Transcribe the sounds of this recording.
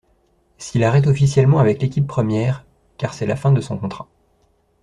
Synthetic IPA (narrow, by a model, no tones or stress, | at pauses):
silaʁɛt̪̬ɔfisjɛlmɑ̃avɛklekʲipːχəmjɛːʁ | kaʁsɛlafɛ̃d̪əsɔ̃kɔ̃t̪χa